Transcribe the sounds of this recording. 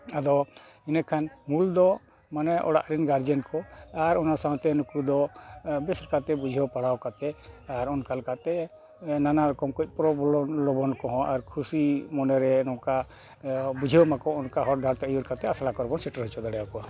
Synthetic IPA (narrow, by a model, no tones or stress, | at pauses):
ad̪ɔ | inakʰanmuld̪ɔ | manɛʔɔ̰ɽa̰ʔɾinɡaɾd͡ʒɛnkɔaɾɔnasãw̃t̪ɛnukud̪ɔbɛsɾkat̪ɛbud͡ʒʱiɔpaɽawkat̪ɛaɾɔnkalkat̪ɛ | nanaɾɔkɔmkuc̚ˀpɾɔbɔlɔlɔbɔnkɔɦɔ̃aɾkʰusimɔnɛɾɛnɔ̃ka | bud͡ʒʱiɔmakɔɔnkaɦɔɾɖʱaɾt̪ɛɔjuɾkat̪ɛasalakɔɾɛbɔnsiʈɔɾɦɔt͡ʃɔd̪aɽɛjawkɔwa